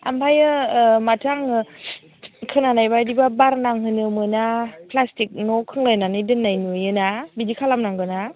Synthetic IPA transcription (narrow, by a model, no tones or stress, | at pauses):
a̰mpʰajɯmatʰaŋ | kʰɯnanajbadibabaɾnaŋɦɯnɯmɯnapʰlastik̚nɔkʰɯŋlajnanɯjdɯnːajnujɯnabidikʰalamnaŋɡɯna